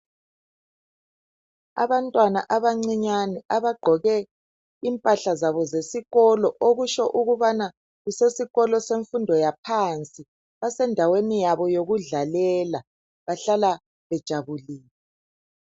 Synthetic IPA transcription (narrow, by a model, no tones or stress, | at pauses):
a̰βantʼwana̰ʔaβaŋ͡ǀiɲanɛaβaɡ͡ǃʱɔɣɛ | impʼaɬazaβɔzesiɣɔlɔʔoɣuʃɔʔuɣuβana | ɣusesiɣɔlɔseɱfundʱɔjapʰant͡sʼi | βasɛndʱawenijaβɔjoɣuɮalɛla | βaɬala | βɛd̥ʒ̥ʱaβuliːnɛ